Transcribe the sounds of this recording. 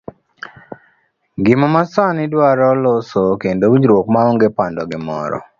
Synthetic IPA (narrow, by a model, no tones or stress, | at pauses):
ɡɪmɔmasanɪdwaɾɔlosokendowiɲd͡ʒɾwokmaoŋɡepandɔɡɪmɔ̰ɾɔ̰